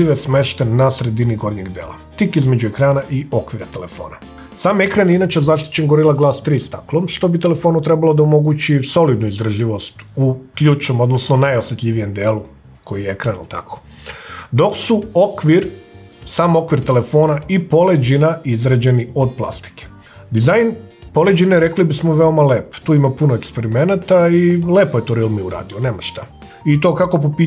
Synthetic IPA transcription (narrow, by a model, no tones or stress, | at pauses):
iʋesme̞ʃt̪enːasɾe̞d̪iniɡoɾɲeɡd̪jḛːlˠa̰t̪ikizme̞d͡ʑue̞kɾaːnaʔio̞kʋiɾat̪ele̞̰fo̞̰ːna | saːmekɾaninat͡ɕezaʃt̪i̥t͡ɕe̞nɡoɾilˠaɡlˠaːst̪ɾiːst̪a̰klˠomʃt̪o̞bit̪e̞le̞fo̞ːnut̪ɾe̞balˠo̞d̪aomo̞ɡut͡ɕiso̞lid̪nuizd̪r̩ʒiʋo̞st̪uklʎuːt͡ʃno̞mo̞d̪nosnonajo̞sjet̪ʎʲiʋije̞md̪eːlu | kʰo̞jijeekɾanḭlt̪a̰kʰo̥ | d̪o̞ksuokʋiɾ | saːmo̞kʋiɾt̪ele̞fo̞ːnaipo̞led͡ʑinaizɾad͡ʑe̞nio̞d̪̚plˠa̰st̪i̥ke̥ | d̪izajnpo̞led͡ʑineɾe̞klibismoʋe̞o̞maleːpt̪uːimapunoekspe̞ɾime̞nat̪aile̞ːpojet̪oɾilˠmiuɾa̰ːd̪ione̞ːmaʃt̪a | it̪o̞kako̞p̬opi